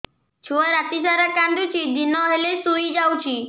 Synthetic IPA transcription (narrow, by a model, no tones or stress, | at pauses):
t͡ʃʰuɔɾat̪isaɾakanɖ̪ut͡ʃʰid̪inɔɦelesujd͡ʒawt͡ʃʰi